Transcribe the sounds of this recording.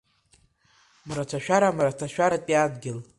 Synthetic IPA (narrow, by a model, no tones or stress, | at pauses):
mɾat͡ʃʷʰaʃᶣaɾamɾatʰaʃᶣaɾatʼiadɡʲɪl